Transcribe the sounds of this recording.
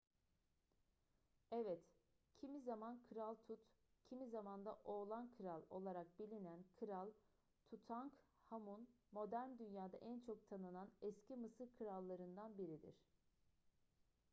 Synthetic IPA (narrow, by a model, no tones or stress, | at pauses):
ɛvɛt̪ | cʰimizamankʰɯɾalˠt̪ʰut̪cʰimizamand̪aʔo̞ːlˠankʰɯɾalˠo̞lˠaɾak̚bilʲinænkʰɯɾalˠ | t̪ʰut̪ʰaŋk | hamunmo̞d̪æɾmd̪ynjaːd̪a̰ʔɛnt͡ʃʰo̞k̚t̪ʰanɯnanɛscʰimɯsɯɾkʰɯɾalˠːaɾɯnd̪anbiɾid̪ḭɾ̥